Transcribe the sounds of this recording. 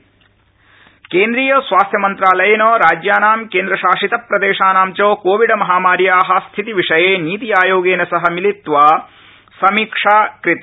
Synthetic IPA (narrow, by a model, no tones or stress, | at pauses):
keːnd̪ɾiːjɐsʋaːst̪ʰjɐmɐnt̪ɾaːlɐjɐnoːɾaːd͡ʒjaːnaːmkeːnd̪ɾɐʃaːʃit̪ɐpɾɐd̪eːʂaːnaːmt͡ʃoːkoːʋiɖɐmɐɦaːmaːɾjaːɦɐst̪ʰit̪iʋiʂɐjeːniːt̪ijaːjoːɡeːnɐsɐɦɐmilit̪ʋaː | sɐmiːkʂaːkɾit̪